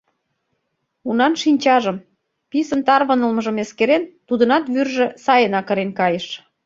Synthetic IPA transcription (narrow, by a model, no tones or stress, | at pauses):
unɑnʃinʲt͡ɕɑʒəm | pisənt̪ɑrβənəlməʒəmeskeɾent̪ud̪ənɑt̪βyrʒĕsɑjənɑkə̆ɾenkɑjəʃ